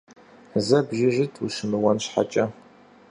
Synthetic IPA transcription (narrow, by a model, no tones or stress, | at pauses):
zɐbʒɪʒɪtʰʼuʃɨmɨwɐnɕħa̰t͡ʃʼɐ